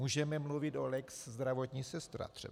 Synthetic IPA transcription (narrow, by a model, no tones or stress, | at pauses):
muːʒɛmɛmluvɪt̪olɛkszd̪ɾavot̪ɲisɛst̪ɾa̰t̪r̥ɛ̰